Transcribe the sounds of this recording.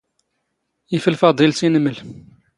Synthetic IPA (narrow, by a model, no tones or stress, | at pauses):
ifəlfɑd̪ˤilsinəməl